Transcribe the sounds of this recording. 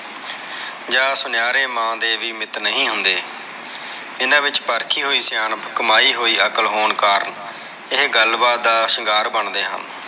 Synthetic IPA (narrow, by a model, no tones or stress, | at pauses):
d͡ʒaːsʊnɪjaːɾeːmãːd̪eːʋiːmɪt̪nəɦĩːɦʊnd̪eː | ɪnãːʋɪt͡ʃpəɾkʰiːɦoːiːsjaːnpʰkəmaːiːɦoːiːəkəlɦoːnkaːɾən | ɪɦɡəlbaːt̪̚d̪aːʃɪɡaːɾbəɳd̪eːɦə̰n